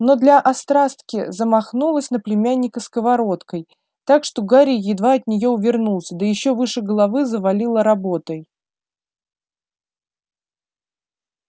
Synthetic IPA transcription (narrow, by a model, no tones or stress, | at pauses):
no̞d̪lʲɐʔɐst̪ɾast̪kʲɪzəmɐxnulˠəsʲn̪əplʲɪmʲænʲːɪkəskəvaɾo̞t̪kəj | t̪akʂt̪o̞ɡaɾʲɪjːɪd̪vaɐt̪nʲɪjo̞ʊvʲɪrnulˠsʲəd̪əjɪɕːovɨʂɨɡəlˠavɨzəvɐlʲilˠəɾɐbo̞t̪əj